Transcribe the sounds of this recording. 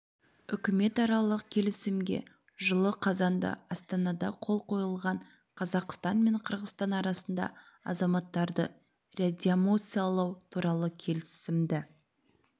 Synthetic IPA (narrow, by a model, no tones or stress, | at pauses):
ʏkʲɪme̞t̪ɑɾɑlˠəq̚kʲʰe̞lɪsɪmɡʲe̞̰ | ʒəlˠəqʰɑzɑnd̪ɑ̰ɑst̪ɑnɑd̪ɑqʰo̞lˠqʰo̞jəlˠʁɑɴ | qʰɑzɑqst̪ɑnme̞ɴqʰəɾʁəst̪ɑnɑɾɑsənd̪ɑ̰ | ɑ̰zɑmɑt̪ːɑɾd̪ə̰ | read̪ʲiomo̞t̪sɨjalˠɑwt̪ʰuɾɑlˠəkʲʰe̞lɪsɪmd̪ɪ